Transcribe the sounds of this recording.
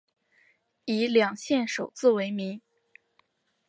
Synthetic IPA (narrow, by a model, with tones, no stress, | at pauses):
i˧˥ljɑ˨˩ŋɕjɛ˥˩nʂo˨˩ʊt͡sɹ̩˥˩we˧˥ɪmi˧˥ŋ